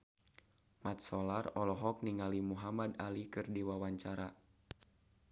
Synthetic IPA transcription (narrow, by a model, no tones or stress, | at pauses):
mat̪̚sɔlarɔlɔɦɔk̚niŋalimuɦamad̪alikɨrdiwawaɲt͡ʃaɾa